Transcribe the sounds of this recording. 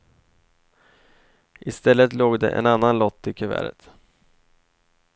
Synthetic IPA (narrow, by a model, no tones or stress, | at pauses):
ʔɪst̪ɛlːət̪loːɡd̪ɛ̰ʔɛ̰nanːanlɔt̪ːɪkʰœvæ̰ːɾə̰t̪